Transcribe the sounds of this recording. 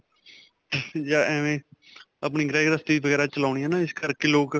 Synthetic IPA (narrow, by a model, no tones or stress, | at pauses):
jaːɛːʋẽː | ap̬niːɡɾaːɪɡɾəst̪iːbəɡɛːɾat͡ʃəlaːʊñiaːnãːɪskəɾkeːloːk